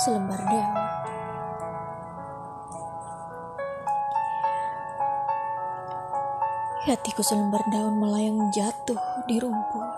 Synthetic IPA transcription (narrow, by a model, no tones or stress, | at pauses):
sələmbardaan | hat̪ikusələmbardaʊnməlajaŋəd͡ʒat̪ʊhdiɾuŋku